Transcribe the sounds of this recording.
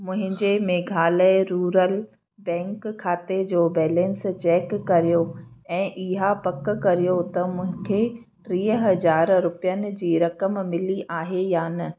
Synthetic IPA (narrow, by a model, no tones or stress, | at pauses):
mʊ̃ɦɪ̃ɲd͡ʑemeːɡʱaːləɪɾuːɾəl | bɛ̃ːŋkʰːaːt̪ed͡ʑoːbɛːlɛ̃nst͡ɕɛːkːɐɾijoɛ̃ːʔɪɦapɐkkɐɾijot̪ɐmʊ̃ɦɪ̃kʰe | ɾiːɦəɦɐzaːɾɾʊpijənɪ̆d͡ʑiːɾɐkəmmɪliʔaːɦejaːnɐ